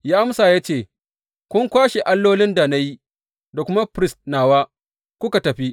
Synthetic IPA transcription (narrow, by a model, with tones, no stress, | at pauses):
ja˦ʔa˦msaː˨ja˦t͡ʃeː˦˨ | kʷʊ˦ŋkʷaː˦ʃe˨ʔa˦lːoː˦lɪ˦nda˨na˦ji˦ | da˨kʷʊ˦ma˦pɾɪ˦stnaː˨waː˦ | kʷʊ˦ka˨tɐ˨ɸi˦ʔ